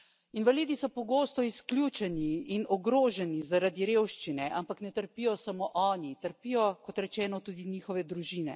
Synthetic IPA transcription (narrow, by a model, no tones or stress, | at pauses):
inʋaliːd̪isɔpɔɡoːst̪ɔisklʲjuːt͡ʃɛniːnɔɡɾoːʒɛnizaɾad̪iɾeːwʃt͡ʃinɛʔampaknɛt̪əɾpijɔsamoːʔɔːnit̪əɾpijɔkɔt̪ɾɛt͡ʃɛːnɔt̪uːd̪iniːxɔʋɛd̪ɾuʒiːnɛ̰